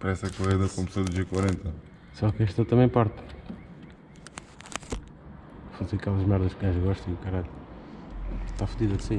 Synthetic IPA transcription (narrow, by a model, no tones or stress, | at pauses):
pɐɾɛsɐkuʁeðɐkomsɐd̪uʒekwɐɾẽnt̪ɐ | sɔkɛʃt̪ɐt̪ɐmẽj̃paɾt̪ | fozekalˠɐʒmaɾðɐʃkaʒɣɔʃt̪ɐ̃kɐɾaʎu | t̪afuðiðɐd̪si